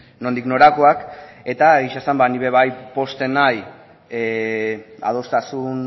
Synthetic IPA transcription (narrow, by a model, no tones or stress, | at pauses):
no̞nd̪ikno̞ɾako̞ake̞t̪aiʃasambaniβe̞β̞ajpo̞st̪e̞naj | a̰ð̞o̞st̪asun